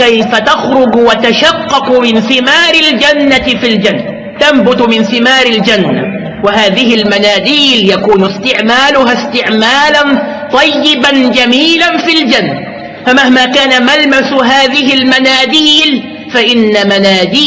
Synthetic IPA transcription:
kajfat̪axɾʊɡwat̪aʃɑqːɑkmɪnθɪmaːɾɪld͡ʒanːaɪfild͡ʒanːa | t̪ambʊt̪mɪnθɪmɑːɾɪld͡ʒanːa̰ | waɦaːðɪhɪlmanaːd̪iːljakuːnʊst̪ɪʕmaːlʊɦast̪ɪʕmaːlan | t̪ˤɑjːɪband͡ʒamiːlanfild͡ʒanːa | famahmaːkaːnamalmasʊɦaːðɪhɪlmanaːd̪iːl | faʔɪnːamanaːd̪iː

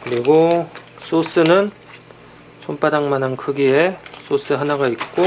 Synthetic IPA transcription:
kɯɾiɡo | s͈ʰos͈ɯnɯn | sʰomp͈ʰaɾaŋmanankʰɯɡies͈os͈ɯɦanaɡaik̚k͈o

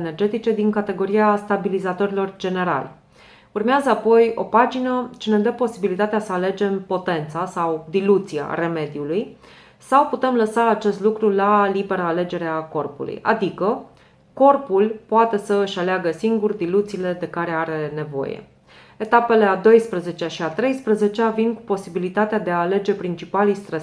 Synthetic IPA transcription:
ene̞rd͡ʒe̞t̪it͡ʃe̞d̪iŋkat̪e̞ɡo̞ɾiast̪abilizat̪o̞ɾilo̞rd͡ʒe̞ne̞ɾa̰lʲ | urmeazəapo̞jo̞̰pad͡ʒinət͡ʃened̪əpo̞sibilit̪at̪easəale̞d͡ʒe̞mpo̞t̪e̞nt̪sasawd̪ilut̪sia̰re̞me̞d̪ijuluj | sawput̪e̞mləsaːt͡ʃe̞st̪lukɾulalibe̞ɾəale̞d͡ʒe̞ɾeako̞rpṵlṵja̰d̪ikə | ko̞rpulpoat̪e̞səɨʃaleaɡəsiŋɡurd̪ilut̪siːle̞d̪e̞kaɾe̞aɾe̞ne̞vo̞̰jḛ | e̞t̪ape̞le̞ad̪o̞jspɾəze̞t͡ʃeaʃiat̪ɾe̞jspɾəze̞t͡ʃeavinku̥po̞sibilit̪at̪ead̪eaːle̞d͡ʒe̞pɾint͡ʃipalijst̪ɾes

